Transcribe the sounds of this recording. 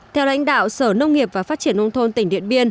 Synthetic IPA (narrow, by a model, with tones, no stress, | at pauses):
t̪ʰɛ˧wla̰˧˥jŋ̟ɗa̰ː˧˨wsəː˧˩nə˧wŋ͡mŋi˨˩əp̚vaː˨˩faː˦˥t̚t͡ɕi˧˩ənʔə˧wnt̪ʰo˧nt̪ï˧˩ŋ̟ɗḭ˧˨ənɓi˧ən